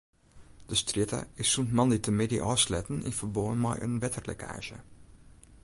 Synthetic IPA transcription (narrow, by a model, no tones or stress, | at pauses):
d̥əstrɪtʰa̰ɪsːuntmɑnditəmɪdiʔɔːslɛtn̩ɪ̰nfərboːənmɛ̰jʔə̰nʋɛtʰərlɛ̰kʰa̰ːʒə̰